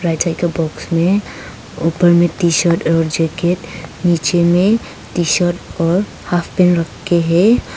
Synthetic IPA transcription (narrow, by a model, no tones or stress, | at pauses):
pɾaɪsaɪkebɔːksmẽ | opəɾmẽt̪iʃəʈɔːɾd͡ʒeːkeʈniːt͡ʃemẽ | t̪iʃəʈɔːɾ | hapʰpɛnɾəkʰːeɦɛ